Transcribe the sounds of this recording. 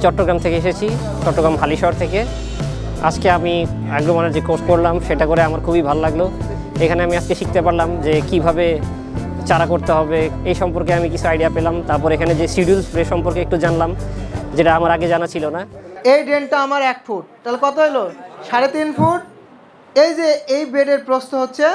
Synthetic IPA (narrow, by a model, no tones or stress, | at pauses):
t͡ɕɔʈːoɡɾamt̪ʰekeeʃet͡ɕʰi | t͡ɕɔʈːoɡɾamɦaliʃɔɦoɾt̪ʰeke | a̰d͡ʑkeami | aɡɾomanaɾd͡ʑekosʈ̚koɾlamʃeʈakoɾeamaɾkʰubibʱalolaɡlo | ekʰaneamiad͡ʑkeʃik̚t̪epaɾlamd͡ʑekibʱabe | t͡ɕaɾakoɾt̪eɦɔbeejʃɔmpoɾkeamikit͡ɕʰuajɖiapelamt̪aɾpɔɾekʰaned͡ʑesiɖulsɾeʃɔmpoɾkeek̚ʈud͡ʑanlamd͡ʑeʈaamaɾaɡed͡ʑanat͡ɕʰilonaejɖeɳʈaamaɾɛk̚fʰuʈ̚t̪alkɔt̪oɦeloʃaɾet̪infuʈ | ejd͡ʑeejbeɖeɾpɾost̪oɦotːɕʰe